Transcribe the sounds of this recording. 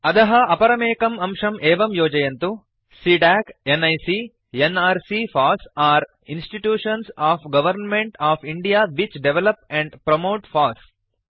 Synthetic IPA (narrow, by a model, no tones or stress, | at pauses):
ɐd̪ɐɦɐɐpɐɾɐmeːkɐmɐmʂɐmʔeːʋɐmjoːd͡ʒɐjɐnt̪u | siɖaːkenɐjsi | enaːɾsifaːsaːɾ | insʈiʈjuːʂɐnsaːfɡɐʋɐɾnmeɳʈaːfʰiɳɖijaːʋit͡ʃɖeʋelɐpɛ̃ɳɖpɾɐmoːʈfaːs